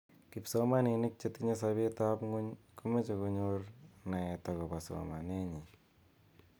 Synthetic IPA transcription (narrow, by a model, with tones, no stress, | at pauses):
kɪ˨pso˦ma˦ni˨nɪ˦k̚t͡ʃe˦tki˦ɲe˦s̬a˦be˦t̪a˦pŋu˦ɲko˦me˦t͡ʃe˨ko˧ɲoɾna˨ɛ˨tɔ˨kɔ˨pa˨sɔ̰˨ma˨ne˦ɲi˨